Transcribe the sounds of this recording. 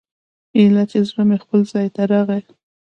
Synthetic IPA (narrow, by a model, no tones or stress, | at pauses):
elat͡ʃ̪ezɾəmexpəlzɑjt̪aɾɑɣa